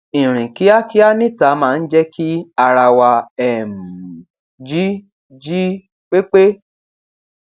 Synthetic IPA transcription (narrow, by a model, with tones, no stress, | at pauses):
ĩ˨ɾ̃ĩ˨ki˨˦a˦ki˦a˦nĩ˦˨ta˨˦mãː˦˧n̩˦d͡ʒɛ˦kʰi˦a˧ɾa˧wa˧ɛ˨m̩˨ | d͡ʒi˦ | d͡ʒi˦ | k͡pe˦k͡pe˦